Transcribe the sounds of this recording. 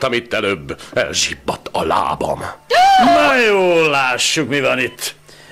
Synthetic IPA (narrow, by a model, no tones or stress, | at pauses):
t̪ɒmit̪ːɛløːbːɛ̰lʒibːɒt̪ːɒla̰ːbɒ̰mnɒjoːlːaːʃːukmivɒnit̪ː